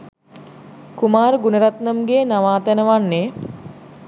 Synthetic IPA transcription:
kumaːɾəɡunəɾat̪nəmɡeːnaʋaːt̪ænəʋanːeː

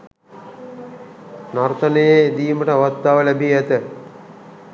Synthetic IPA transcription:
naɾt̪ɐnejed̪iːməʈəaʋat̪ːaːʋəlæbiæt̪ə

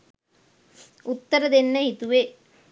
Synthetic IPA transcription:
ut̪ːəɾəd̪enːəhit̪uʋe

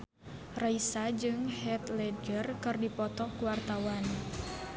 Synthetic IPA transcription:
raisad͡ʒɨŋhɛt̪lɛd͡ʒərkɨrdipɔt̪ɔkuwart̪awan

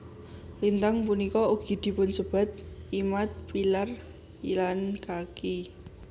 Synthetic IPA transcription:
lint̪aŋpunikɔuɡ̥i̤d̪̥i̤pʊnsəb̥a̤t̪̚imat̪̚pilar | ilankaki

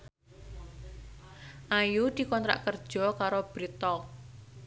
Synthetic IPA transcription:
ʔajud̪̥i̤kɔnt̪ɾa̰ʔkərd̥ʒ̥ɔ̤kaɾob̥ɾit̪ɔ

